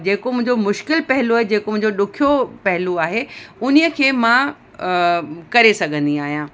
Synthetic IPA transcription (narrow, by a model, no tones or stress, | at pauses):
d͡ʑeːkomʊ̃ɦɪ̃ɲd͡ʑomʊʃkɪlpɐɦɪloaːɦed͡ʑeːkomʊ̃ɦɪ̃ɲd͡ʑoɗʊkʰijopɐɦɪluaːɦeʊnijəkʰeːmã | kɐɾesɐɡʱə̃nd̪iaːɦijãː